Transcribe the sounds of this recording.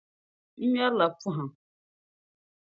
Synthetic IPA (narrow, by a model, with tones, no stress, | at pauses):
m̩˦ɲa˦ɾla˨pu˦ɦã˨